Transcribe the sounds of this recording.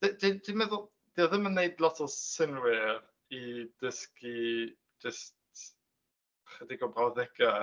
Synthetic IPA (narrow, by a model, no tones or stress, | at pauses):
d̥d̥ind̥inmɛðʊlˠ | d̥iðɪmənːejdlˠɔtʰɔsɪnwɪr | id̥əski | d͡ʒəst | χədɪɡɔbraðɛɡa